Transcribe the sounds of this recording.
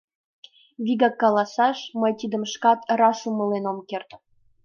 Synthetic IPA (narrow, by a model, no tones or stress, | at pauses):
βʲiɡɑkːɑlɑsɑʃməjt̪id̪ə̆mʃkɑt̪ɾɑʃuməlenomkert̪